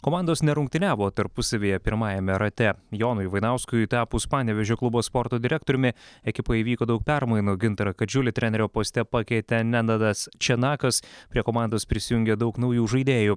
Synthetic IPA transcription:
koːmɑˑnd̪oːsnʲɛɾʊŋʲkt̪ʲɪnʲæːʋoːt̪ɐɾpʊsɐʋʲijɛpʲɪɾmɑːjɛmʲɛɾɐt̪ʲɛjoːnʊjʋɐɪnɐʊskʊjt̪ɑːpʊspɑːnʲɛʋʲɛʒʲoːklˠʊboːspɔɾt̪oːd̪ʲɪɾʲæk̚t̪oːɾʲʊmʲɪɛkʲɪpoːiːʋʲiːkoːd̪ɐʊk̚pʲæɾmɐɪnuɡʲɪnt̪ɐɾɐkɐd͡ʒʲʊlʲɪt̪ʲɾʲɛnʲɛɾʲoːpoːsʲt̪ʲɛpɑkʲɛɪt̪ʲɛnʲɛnɐd̪ɐst͡ʃʲɛnɑːkɐspʲɾʲiɛkoːmɑˑnd̪oːspʲɾʲɪsʲɪjʊŋʲɡʲɛd̪ɐʊknɐʊjuːʒɐɪd̪ʲeːju

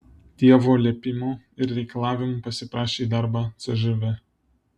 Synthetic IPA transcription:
t̪ʲiɛʋoːlʲɛːpʲɪmoɪɾɾʲɛɪkɐlˠɑːʋʲɪmupɐsʲɪpɾɑːʃʲeːid̪ɐɾbɑːt̪sʲɛʒɛʋʲɛ

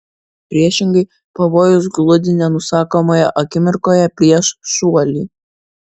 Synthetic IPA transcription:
pʲɾʲiɛʃʲɪŋɡɐɪ | pɐʋoːjʊs̬ɡlˠʊd̪ʲɪnʲɛnʊsɑːkoːmoːjɛʔɐkʲɪmʲɪɾkoːjɛpʲɾʲiɛʃʃuɔlʲiː

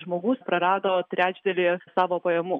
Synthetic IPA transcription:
ʒmoːɡʊspɾɐɾɑːd̪oːt̪ʲɾʲæːd͡ʒʲd̪ʲɛlʲiːsɑːʋoːpɐjɛmu

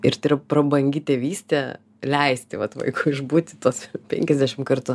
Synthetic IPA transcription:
ɪɾt̪ɪɾɐpɾɐbɐŋʲɡʲɪt̪ʲeːʋʲiːsʲt̪ʲɛ | lʲɛɪsʲt̪ʲɪʋɐt̪ʋɐ̰ɪkuːɪʒbuːt̪ʲɪt̪oːspʲɛ̰ŋʲkʲɛzʲd̪ʲæʃʲɪmkɐrt̪uː

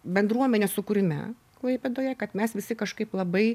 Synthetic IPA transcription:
bʲɛnd̪ɾuɔmʲɛnʲeːsʊkʊɾʲɪmʲɛ̰ | klˠɐɪpʲɛd̪oːjɛkɐt̪mʲɛsʋʲɪsʲɪkɐʃkɐɪplˠɐbɐɪ

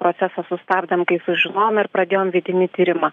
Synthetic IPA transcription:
pɾoːt̪sʲæsɐsʊst̪ɑːbd̪ɐmkɐɪsʊʒʲɪnoːjoːmɪɾpɾɐd̪ʲeːjoːmʋʲɪd̪ʲɪnʲɪt̪ʲiːɾʲɪmɐ

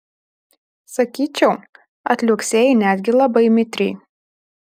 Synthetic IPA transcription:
sɐkʲiːt͡ʃʲɛʊ | ɐt̪ʲlʲʊksʲeːjɛnʲæd̪ʲɡʲɪlˠɐbɐɪmʲɪt̪ʲɾʲɛɪ

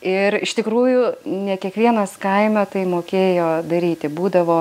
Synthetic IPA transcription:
ɪɾɪʃt̪ʲɪkɾuːjʊnʲɛkʲiɛkʋʲiɛnɐskɐɪmʲɛt̪ɐɪmoːkʲeːjoːd̪ɐɾʲiːt̪ʲɪbuːd̪ɐʋoː

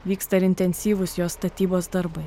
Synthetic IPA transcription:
ʋʲiːkst̪ɐɪɾɪnʲt̪ʲɛnʲsʲiːʋʊsjoːst̪ɐt̪ʲiːboːsd̪ɐɾbɐɪ

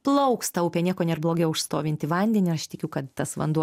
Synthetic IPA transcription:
plˠɐʊkst̪ɐʊpʲɛnʲiɛkoːnʲeːrblˠoːɡʲɛʊʊʃst̪oːʋʲɪnʲt̪ʲɪʋɐnʲd̪ʲɛnʲɪɾɐʃt̪ʲɪkʲukɐt̪t̪ɐsʋɐ̰nd̪uɔ

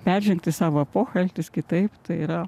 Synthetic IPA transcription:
pʲærʲʒʲɛŋkt̪ʲɪsɑːʋoɐpoːxɐlʲt̪ʲɪskʲɪt̪ɐɪpt̪ɐɪiɾɐ

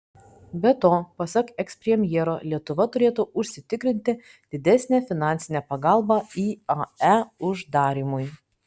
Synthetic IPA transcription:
bʲɛt̪oːpɐsʲɐkɛksʲpʲɾʲɛmʲjɛɾoːlʲiɛt̪ʊʋɐt̪ʊɾʲeːt̪ʊʊʃʲsʲɪt̪ʲɪkɾʲɪnʲt̪ʲɪ | d̪̥ʲɪd̪ʲɛsʲnʲæfʲɪnɑˑnʲt̪sʲɪnʲɛpɐɡɑˑlˠbɑiːɑæʊʒd̪ɑːɾʲimʊj

